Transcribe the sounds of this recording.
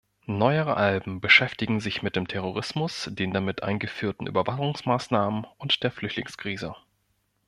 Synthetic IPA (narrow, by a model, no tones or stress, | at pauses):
nɔʏəʁə̰ʔalbm̩bəʃɛftɪɡŋ̩zɪçmɪt̚d̥eːmtʰɛʁ̞oʁ̞ɪsmʊsd̥eːndamɪtʔa̰ɪnɡəfyːɐtn̩ʔy̰ːbɐvaχʊŋsmaːsnaːmənʊntd̥eːɐflʏçtlɪŋskʁ̥iːzə